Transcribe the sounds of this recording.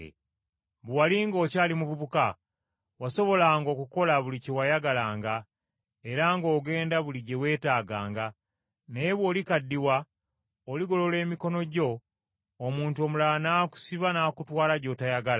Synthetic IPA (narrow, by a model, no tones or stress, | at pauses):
βuwaliŋɡo̞ːcaːlimuβuβuka | waso̞βo̞laŋɡo̞ːkuko̞laβuliciwajaɡalaːŋɡa | e̞ɾaŋɡo̞ːɡe̞ːndaβuliɟe̞we̞ːtaːɡaːŋɡa | neβo̞ːlikadːiwa | oliɡo̞lo̞le̞ːmiko̞no̞ɟo̞ː | muːnto̞ːmulanaːku̥siβanaːkutwaːlaɟo̞ːtajaɡal